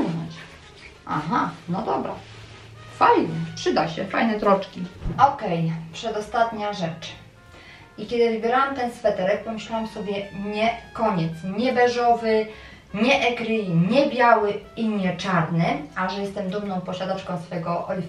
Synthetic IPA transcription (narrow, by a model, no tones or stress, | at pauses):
na̰t͡ɕ | ʔa̰ɦanɔd̪ɔbɾa | fajnɛpʂɘd̪aɕɛfajnɛt̪ɾɔt͡ʂkʲiɔkɛjpʂɛd̪ɔst̪at̪ɲaʐɛt͡ʂ | ikʲɛd̪ɘvɘbʲjɛɾawamt̪ɛnsfɛt̪ɛɾɛk̚pɔmɘɕlawamsɔbʲjɛɲɛkɔɲɛt̪sɲɛbɛʐɔvɘ | ɲɛʔɛkɾɘɲɛbʲjawɘiɲɛt͡ʂaɾnɘaʐɛjɛst̪ɛmd̪umnɔ̃w̃pɔɕad̪at͡ʂkɔ̃w̃sfɛɡɔʔɔjʲ